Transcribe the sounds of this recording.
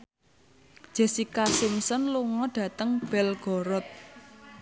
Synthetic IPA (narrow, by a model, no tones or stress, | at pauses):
d̥ʒ̥ɛ̤sikasɪmsɔnluŋɔɖ̥ä̤t̪əŋb̥ɛlɡ̥ɔ̤ɾɔt̪̚